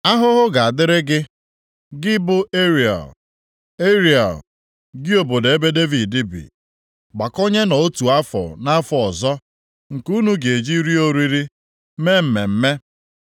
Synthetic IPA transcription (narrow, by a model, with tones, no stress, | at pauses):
a˦ɦʊ˦ɦʊ˦ɡa˨a˨dɪ˦ɾɪ˦ɡɪ˦ | ɡɪ˦bʊ˦e˦ɾi˨a̰˨l | e˦ɾi˨a̰˨l | ɡɪ˦o˨bo˨de˨e˦be˦de˦vi˨dɪ˦bḭ˨ | ɡ͡ba˨ko˦ɲe˦nɔ˨o˦tu˨a˦fɔ̰˨na˦fɔ˨ɔ˨zɔ˦ | ŋ̩˨ku˦nu˦ɡe˨d͡ʒi˦ɾi˦o˦ɾi˦ɾi˦ | me˦m̩˨me˨m̩˦me˦